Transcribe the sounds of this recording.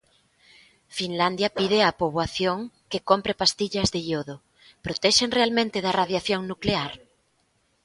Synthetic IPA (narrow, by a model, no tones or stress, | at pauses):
finland̪jɐpiðɪapoβwaθjoŋkekompɾepast̪iʎɐzðejoðo | pɾot̪ɛʃeŋrealmẽnt̪ɪðaraðjaθjoŋnukleaɾ